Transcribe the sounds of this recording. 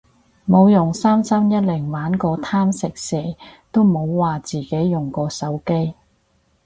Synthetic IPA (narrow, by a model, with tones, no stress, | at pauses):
mo˨˧wjʊ˨˩ŋsaː˥msɐ˥mjɐ˥t̚lɪ˨˩ŋwaː˨˥nkɔː˧t̪ʰaː˥msɪ˨k̚sɛː˨˩t̪o˥wmo˨˧wwaː˨˩t͡siː˨˩ke˨˥jːʊ˨ŋkɔː˧sɐ˨˥wke˥j